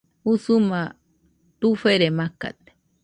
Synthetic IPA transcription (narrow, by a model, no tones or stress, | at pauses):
usuma | t̪ufeɾemaka̰t̪̚e̥